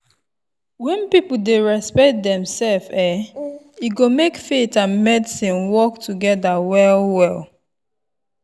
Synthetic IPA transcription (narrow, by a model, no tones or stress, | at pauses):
wɛ̃npipʊdeɹɛspɛt̚dɛ̃msɛlfɛ | iɡomekfetãnmɛdɪsĩnwɔktʰuɡɛdawɛlwɛl